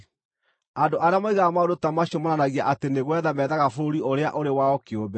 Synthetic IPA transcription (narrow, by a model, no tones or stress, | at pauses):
andoʔaɾeamaiɣamaodotamaɕomonanaɣiaʔateneɣwɛðamɛðaɣafoɾioɾea̰ʔoɾewaɔkeobɛ